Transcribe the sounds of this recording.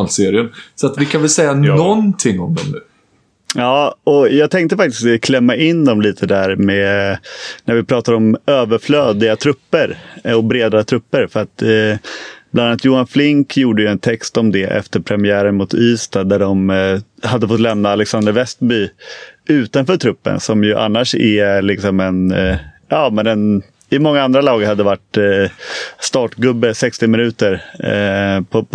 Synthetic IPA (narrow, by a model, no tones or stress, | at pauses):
lseːɾɪənsɔat̪vɪkʰanvɛlsɛjːanɔnt̪ʰɪŋːɔmd̪ɔ̰mnʉ̟ː | jɑːɔjɑːɡt̪ʰɛŋkt̪əfak̚t̪ɪst̪kʰlɛmːaʔɪnd̪ɔmliːt̪ʰəd̪æɾmɛ | næɾvɪpʰɾɑːt̪ad̪əɔmøːvəɾfløːd̪ɪɡat̪ʰɾɵpːəɾɔbɾeːd̪at̪ʰɾɵpːəɾfœɾat̪ | b̥lananːat̪juːanflɪŋkʰjuːɖəjɵɛnt̪ʰɛkst̪ɔmd̪ɛʔɛ̰ft̪əɾpʰɾɛmɪæːɾəɳmʊt̪ʰyːst̪ad̪æɖɔmhad̪ːəfɔt̪ːlɛmnaːlɛksand̪əɾvɛst̪byːʉ̟ːt̪anfœːʈʰɾɵpːə̰nsɔmjɵʔa̰nːaʂɛlɪksɔmɛn | ʔɑːmɛnɛn | ɪmɔŋːaand̪ɾalɑːɡəɾhad̪ːəvaʈ | st̪ɑːʈɡɵbːəsɛkst̪ɪmɪnʉ̟ːt̪əɾ | pʰɔ